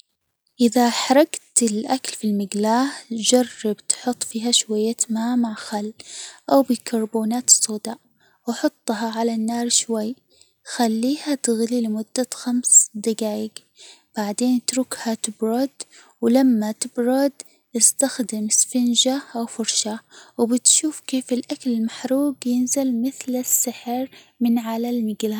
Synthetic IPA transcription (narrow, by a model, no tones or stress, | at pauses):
ʔɪðaħɑɾˤɑɡt̪ɪlʔakalfilmɪɡlaːhd͡ʒɑrˤːɑbt̪ħʊt̪ˤːfiːɦaʃwajːat̪maːmaʕxalːʔawbɪkʰɑɾˤboːnaːt̪sˤoːd̪a | wɑħʊt̪ˤːɦɑʕalanːɑːɾˤʃwajː | xalːiːhat̪ɪɣlilɪmʊd̪ːaxamsd̪aɡaːjɪɡ | b̥aʕd̪eːnt̪ɾʊkhat̪ɪbɾˤʊd̪ | wɪlamːat̪ɪbɾˤʊd̪ | ʔɪst̪axd̪ɪmsfɪnʒaʔawfʊɾˤʃawbɪt̪ʃuːfkeːfɪlʔakalɪlmaħɾuːɡjɪnzalmɪθlɪsːɪħɾmɪnʕalalmɪɡla